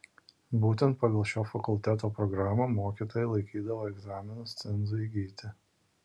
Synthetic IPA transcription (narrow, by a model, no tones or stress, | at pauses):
buːt̪ʲɛnt̪̚pɐɡɐlˠʃʲoːfɐkʊlʲt̪ʲæt̪oːpɾɔɡɾɑːmomoːkʲiːt̪oːjɛɪlˠɐɪkʲiːd̪ɐʋoːɛɡzɑːmʲɪnʊst̪sʲɛnzuiːɡʲiːt̪ʲɪ